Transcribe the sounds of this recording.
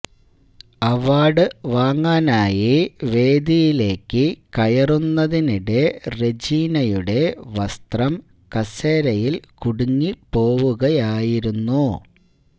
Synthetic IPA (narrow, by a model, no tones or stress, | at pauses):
ɐʋaːɽɨʋaːŋːaːnaːjiʋe̞ːd̪ijile̞ːkːɨkɐjɐrunːɐðiniɽe̞red͡ʑiːnɐjuɽe̞ʋɐst̪rɐm | kɐseːɾɐjilkuɽuŋːipo̞ːʋuɣɐjaːjiɾunːu